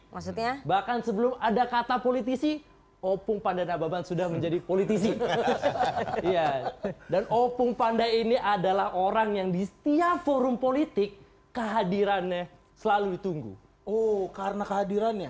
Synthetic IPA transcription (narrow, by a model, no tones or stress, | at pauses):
masut̪ɲabahkansəbəlʊmadakat̪apolit̪̬isi | opʊŋpandanababansudahməɲd͡ʒadipolit̪isi | ijadanʔopʊŋpandajiniʔadalahoɾaŋjaŋdisə̥t̪iafoɾʊmpolit̪ɪkː | əɦadiɾanɲa | səlaluit̪uŋɡṵ | okaɾənakəɦadiɾanja